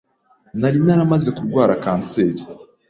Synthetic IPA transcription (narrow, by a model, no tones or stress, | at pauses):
naɾinaɾamaze̞kuɾɡwaːɾakaːnt͡seːɾi̥